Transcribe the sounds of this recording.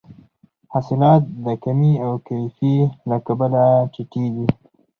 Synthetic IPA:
hɑsɪlɑt̪̚d̪əkamiawkajfilakabalat͡ʃɪʈid̪i

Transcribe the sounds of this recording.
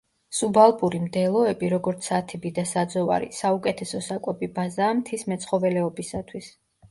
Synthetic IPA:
subalˠpʼuɾimd̪ɛlˠɔɛbiɾɔɡɔɾt̪sʰat̪ʰibid̪asad̪zɔva̰ɾḭsaukʼɛt̪ʰɛsɔsakʼɛbibazaːmt̪ʰismɛt̪sʰʼχɔvɛlɛɔbisat̪ʰwis

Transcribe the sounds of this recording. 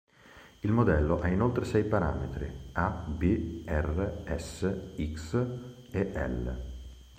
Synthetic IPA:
ilmod̪ɛlːoʔainolt̪ɾesɛjpaɾa̰ːmḛt̪ɾḭabiɛreɛsːeiks | eʔɛ̰l̰

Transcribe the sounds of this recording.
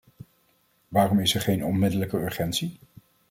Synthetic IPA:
ʋaːrɔmɪsɛɹχejnɔnmɪdələkəøɹχɛntsi

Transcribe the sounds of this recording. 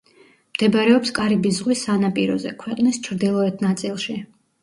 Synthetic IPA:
md̪̥ɛbɾɛɔpskʼaɾibizʁwisanapʼiɾɔ̰zɛ̰kʰwɛqʼnist͡ʃʰɾd̪ilˠɔɛt̪̚ʰnat̪sʼilˠʃi

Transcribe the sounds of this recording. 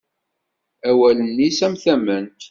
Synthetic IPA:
æwælənːisæmθæmənt̪

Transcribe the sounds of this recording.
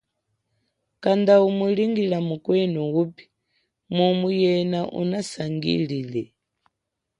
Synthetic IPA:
kand̪aumuɺiŋɡiɺamukwɛnɔupi̥ | mumujɛnaʔṵnasaŋɡḭɺiːlɛ

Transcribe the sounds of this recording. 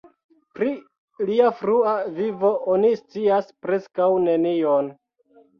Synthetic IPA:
pɾi | liafɾuavivo̞ʔonist͡siaspɾe̞skawne̞nion

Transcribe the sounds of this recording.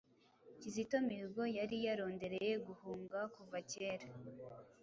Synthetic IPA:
cizito̞miɡo̞jaɾijaɾo̞ːnde̞ɾeje̞ɡuhuːŋɡakuvaceːɾa

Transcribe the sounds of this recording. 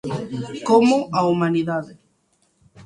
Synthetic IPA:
komʊaumaniðaðe

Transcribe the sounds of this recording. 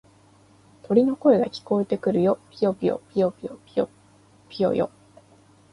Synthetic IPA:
t̪o̞ɾʲino̞ko̞eɡakʲi̥ko̞et̪e̞kɯ̟ɾɯ̟jo̞pʲijo̞pʲijo̰pʲijopʲijo | o | pʲijo̞̰jo̰

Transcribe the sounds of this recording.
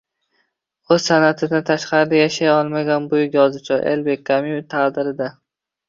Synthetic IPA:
ɵz̥sanat̪ʰɪd̪ant̪ʰaʃqɑɾɪd̪ajaʃajɒlˠmaɡʲanbʊjɪɡʲɒzɪt͡ʃʰɒʔḛlbekʰːamit̪ʰaʁd̪ɪɾɪd̪a

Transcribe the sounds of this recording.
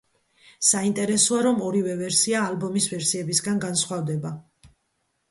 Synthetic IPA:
saint̪ʼɛɾɛsɔaɾɔmɔɾivɛvɛɾsiaːlbɔmisvɛɾsiɛbisɡanɡansχwavd̪ɛba

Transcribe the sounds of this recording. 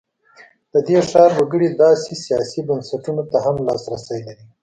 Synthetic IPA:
d̪̥əd̪eʂɑɾːoɡəɽid̪ɑsesijɑsibansaʈunot̪aɦamlɑsɾasajlaɾi

